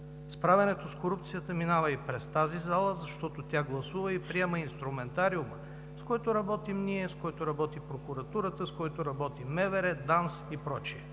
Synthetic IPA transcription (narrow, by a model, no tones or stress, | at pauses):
spɾavɛnɛt̪oskoɾupt̪sijət̪əminavəipɾɛst̪azizalˠəzɐʃt̪ɔt̪ot̪ʲaɡlˠɐsuvəipɾiɛməinst̪ɾumɛnt̪aɾiumə | skoɔɛt̪oɾɐbɔt̪imniɛskoɛt̪oɾɐbɔt̪ipɾokʊɾɐt̪uɾət̪əskɔɛt̪oɾɐbɔt̪imɛvɛɾɛd̪ansipɾɔt͡ʃiɛ